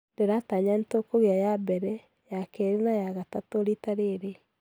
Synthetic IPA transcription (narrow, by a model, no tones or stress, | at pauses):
ndeɾataɲantokoɣeajabɛɾɛ | jakɛɾenajaɣatatoɾitaɾeɾe